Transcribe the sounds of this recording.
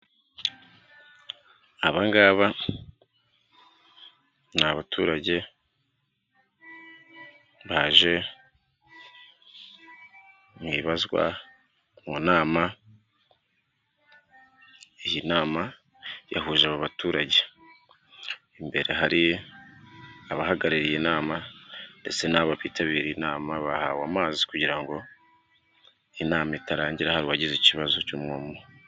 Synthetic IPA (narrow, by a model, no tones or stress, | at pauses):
aβaŋɡaːβa | naβatʰuːɾaɟe̞ | βaʒe̞ | mŋiːβazɡwa̰ | munaːma | ijinaːma | ja̰huʒaβaβatuːɾaɟe̞ | imbe̞ɾe̞ɦaɾi | aβaɦaɡaɾiɾijenaːmande̞t͡se̞naːβaβiːtaβiːɾinaːmaβahaːwaːmaːzikuɟiɾaŋɡo̞ | inaːmaitaɾaːɲɟiɾahaɾiwaɟiziciβazo̞cumŋoːmo